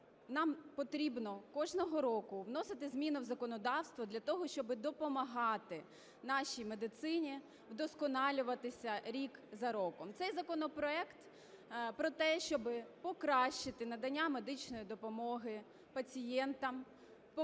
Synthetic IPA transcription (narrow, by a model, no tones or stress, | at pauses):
nɑmpɔt̪ɾʲibnɔkɔʒnɔɦɔɾɔkʊwn̪ɔsɪt̪ɪzʲmʲinʊwzɐkɔnɔd̪ɑwst̪ʋɔd̪lʲɐt̪ɔɦɔʃt͡ʃɔbɪd̪ɔpɔmɐɦɑt̪ɪ | nɑʃijmed̪ɪt̪sɪnʲi | wd̪ɔskɔnɑlʲʊʋɐt̪ɪsʲɐɾʲikzɐɾɔkɔmt̪sɛjzɐkɔnɔpɾɔɛkt̪ | pɾɔt̪ɛʃt͡ʃɔbɪpɔkɾɑʃɪt̪ɪnɐd̪ɐnʲːamed̪ɪt͡ʃnɔjid̪ɔpɔmɔɦɪ | pɐt͡sʲijɛnt̪ɐm | p